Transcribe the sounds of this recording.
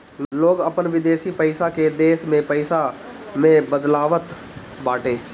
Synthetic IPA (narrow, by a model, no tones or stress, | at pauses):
loːɡəpənʋɪd̪eːsiːpəɪsaːkeːd̪eːsmẽːpəɪsaː | mẽːbəd̪laːʋət̪ | baːʈeː